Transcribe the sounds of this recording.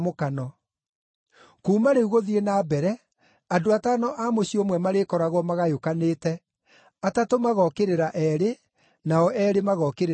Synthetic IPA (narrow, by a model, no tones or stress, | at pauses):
mokanɔ | kuːmaɾeuɣoðienaːbɛɾɛ | adoataːnɔʔamoɕiomwɛmaɾekɔɾaɣɔmaɣajokaneːtɛ | atatomaɣɔkeɾeɾaʔɛɾe | naɔʔɛɾemaɣɔkeɾ